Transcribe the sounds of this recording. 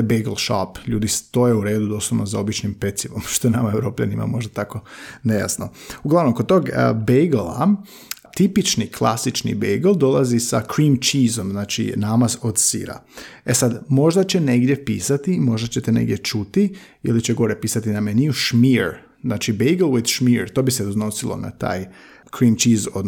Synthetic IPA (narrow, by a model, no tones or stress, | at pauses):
bejɡlˠʃa̰pʎuːd̪ist̪o̞jeuɾe̞ːd̪ud̪o̞suʋnozao̞bit͡ʃnimpe̞t̪siʋomʃt̪oenamae̞ʋɾo̞ːpʎa̰nima̰mo̞ʒd̪at̪ako̞neja̰sno̞uɡlaʋno̞mkod̪t̪oːɡəbejɡlˠa̰ | t̪ipit͡ʃniklˠa̰sit͡ʃnḭbejɡlˠd̪o̞lˠazisakɾimt͡ʃizo̞mznaːt͡ʃḭnaːmazo̞d̪sḭɾa̰esad̪mo̞ʒd̪at͡ɕe̞ne̞ɡd̪ʲje̞pḭːsat̪imo̞ʒd̪at͡ɕe̞t̪ene̞̰ɡdje̞t͡ʃut̪i | ḭlit͡ɕeɡo̞ɾepiːsat̪inameniuʃmiɾ | znaːt͡ʃibejɡl̩ˠwid̪ʃmiɾt̪o̞ːbiseuzno̞silˠo̰na̰t̪a̰ːj | kɾiːmt͡ʃizod̪